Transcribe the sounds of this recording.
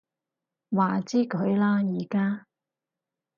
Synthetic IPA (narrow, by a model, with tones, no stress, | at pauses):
waː˨˩t͡siː˥kʰɵ˨˧ɥlaː˥jiː˨˧kaː˥